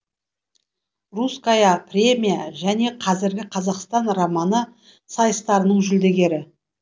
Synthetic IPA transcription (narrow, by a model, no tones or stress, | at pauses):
ruskajɑprʲe̞mʲijaʒæne̞qʰɑzɪɾɡʲɪqʰɑzɑqst̪ɑnramɑnə | sɑjəst̪ɑɾənəɴʒʏld̪e̞ɡʲe̞ɾɪ